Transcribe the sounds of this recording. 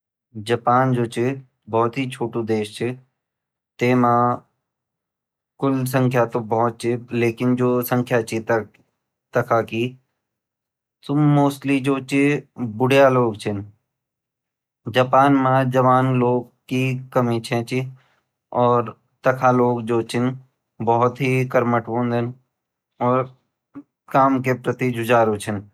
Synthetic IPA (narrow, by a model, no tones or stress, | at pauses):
d͡ʒɐpaːnd͡ʒoːt͡ʃʰi | bɔːt̪ɦit͡ʃʰoːʈũd̪eːʃt͡ʃʰi | t̪eːmã | kʊls̬ə̃ŋkʰjat̪obɔt̪̚t͡ʃʰileːkɪnd͡ʒoːsə̃ŋkʰjat͡ʃʰit̪ | t̪ɐkʰaki | t̪ʊmoːsʈlid͡ʒoːt͡ʃibʊɽjaloːɡt͡ʃʰɪn | d͡ʒaːpaːnmãd͡ʒɐʋaːnloːɡ | kikɐmĩt͡ʃʰɛ̃t͡ʃi | ɔːɾ | t̪ɐkʰaloːɡd͡ʒoːt͡ʃʰɪn | bɔɦʊt̪ɦikəɾməʈbõːnd̪ʱən | ɔːɾ | kaːmkepɾət̪id͡ʒʊd͡ʒaːɾot͡ʃʰɪn